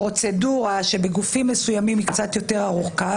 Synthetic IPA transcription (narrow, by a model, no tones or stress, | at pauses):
ʁo̞t͡se̞duʁaʃe̞beɡufimːesujamimikt͡sat̪jo̞te̞ʁaʁuχka